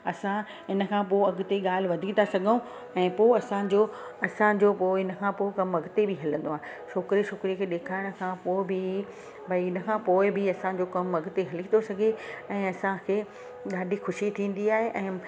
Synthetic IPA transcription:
ɐsã | ɦɪnə̆kʰãpoɐɡt̪eɠaːl̤ɪ̆ʋɐd̪ʱĩt̪asɐɡʱəũ | ɛ̃ːpoːɪɐsãd͡ʑoːɐsãd͡ʑoːpoːɪɪnə̆kʰãːpoːɪkɐmɐɡt̪ebɪɦɐlə̃n̆d̪oaːɦ | t͡ɕʰoːkɾiʃʊkɾiekʰeːɗeːkʰaːɪɽ̃̆kʰãpoːɪbɪ | bʱɐiɪnə̆kʰãpoːɪbɪɐsãd͡ʑoːkɐmɐɡt̪eɦɐlit̪ʰosɐɡʱeɛ̃ːɐsãkʰeː | ɠaːɖʱixʊʃit̪ʰĩːn̆d̪iaːɦeʔɛ̃ː

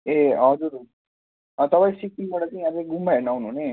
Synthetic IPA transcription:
eɦʌd͡zuɾ | ʌt̪ʌpaĩsikiŋbaʈat͡saĩad͡zaɡumːaenawnuɦne

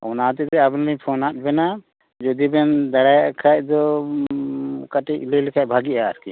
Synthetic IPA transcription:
ɔ̰nat̪ɛt̪ɛabnipʰɔnat̪̚bɛna | d͡ʒɔd̪ibɛnd̪aɽajaʔkʰac̚d̪ɔ | kaʈiʔilɛlikʰaʔ̚bʱaɡiʔaːɾki

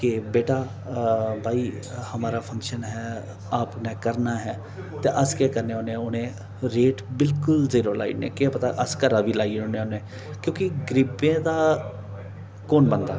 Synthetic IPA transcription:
kebeːʈaː | bʱaːiː | həmaːɾaːpʰə̃ŋkʃənɦɛː | aːpnɛ̃ːkəɾnaːɦɛː | t̪eːʔəskɛːkəɾnẽːonẽʊnẽː | ɾeːʈbɪlkʊlziːɾoːla̰ːḭʈnḛːkɪɛːpət̪aʔəskəɾaːʋiːlaːiʊnẽːonẽː | kjõːkɪɡɾɪbẽːd̪aː | koːnbənd̪a̰ː

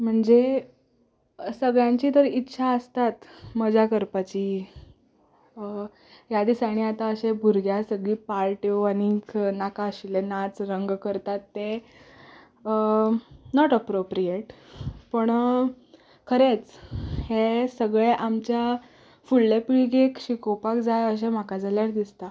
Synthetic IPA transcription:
m̤əɳd͡ze | səɡɭjãɲt͡ɕiːt̪əɾitːɕʰaəst̪at̪məd͡ʑakəɾpat͡ɕiː | jad̪iːsaɽ̃iat̪aəɕebʱuɾɡjasəɡɭiːpalʈeañiknakaəɕilenat͡sɾəŋɡkəɾt̪at̪ːe | nɔʈəpɾopɾijeʈpəɳ | kʰəɾet͡shesəɡɭeʔamt͡ɕja | fuɭlepiɭɡekɕikowpakd͡zajəɕ̬em̤akad͡zaljaɾd̪ist̪a

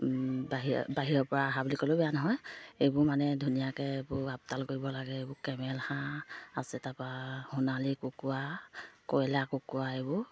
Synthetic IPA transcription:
baɦibaɦiɹɔpɔɹaːɦabulikɔlobɛjanɔɦɔjejbʊɹmanɛdʱunijakɛebʊɹap̚talkoɹibɔlaɡɛebʊkɛmɛlhãasɛtapahunalikukuakɔjlakokuaebʊ

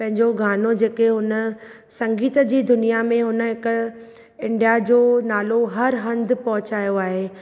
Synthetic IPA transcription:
pɐ̃ɦɪ̃ɲd͡ʑoɡʱaːnod͡ʑeːkeɦʊnə | sɐ̃ŋɡiːt̪əd͡ʑiːd̪ʊnijamẽɦʊnə̆ɦɪk | ɪ̃ɳɖijad͡ʑoːnaːloɦɐɾɦɐ̃nd̪pɐɦʊt͡ɕaːjoaːɦeː

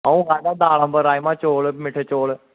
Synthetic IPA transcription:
aũːɡaːdaːd̪aːlə̃bəɾaːimãːt͡ʃoːlmɪʈʰːet͡ʃoːl

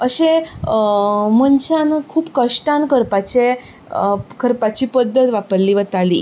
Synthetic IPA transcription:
əɕe | mənt͡ɕankʰuːpkəʂʈankəɾpat͡ɕe | kʰəɾpat͡ɕiːpəd̪ʱːət̪ʋapəɾliːʋət̪alḭː

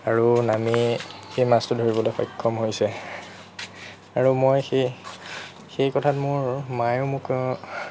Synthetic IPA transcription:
aɹunamixejmastʊdʱoɹibɔlojxɔjkʰːɔmɦojsɛ | aɹumojxe | xejkɔtʰatmʊɹmajomʊk

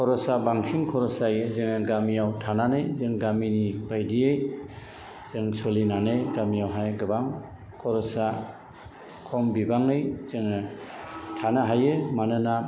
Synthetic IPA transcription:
kʰɔɾɔsabaŋsiŋkʰɔɾɔsajɯzɯŋɯɡamijawtʰananɯjzɯŋɡaminibajdiej | z̥ɯŋsɔlinanɯjɡamijawɦajɡɯbaŋ | kʰɔɾɔsa | kʰɔmbibaŋɯjz̥ɯŋɯ | tʰanaɦajɯmanɯna

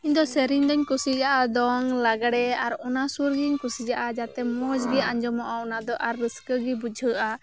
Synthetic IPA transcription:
iɲd̪ɔsɛɾiɲd̪ɔɲkusid͡ʒaʔad̪ɔŋlaɡaɽɛaɾɔnasuɾɡiɲkusid͡ʒaʔad͡ʒat̪ɛmɔd͡ʒɡiaɲd͡ʒɔmɔʔaɔnad̪ɔʔaɾːəskəɡibud͡ʒʱəʔa

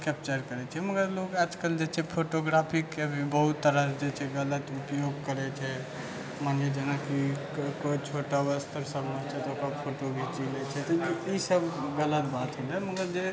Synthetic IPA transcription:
kɛp̚t͡ʃəɾkəɾɛt͡ʃʰɛməɡəɾlokad͡ʒkəld͡ʒet͡ʃʰɛpʰoʈoɡɾapʰikebʱibəɦut̪ːəɾəd͡ʒet͡ʃʰɛɡələt̪upjoɡkəɾɛt͡ʃʰɛ | maned͡ʒenaki | koit͡ʃʰoʈaʋəst̪ʰəɾsəbnət͡ʃʰɛt̪ɔokɾəpʰoʈoɡet͡ʃilɛt͡ʃʰɛt̪ɔisəbʱɡələt̪bat̪ɦolɛməɡəɾd͡ʒe

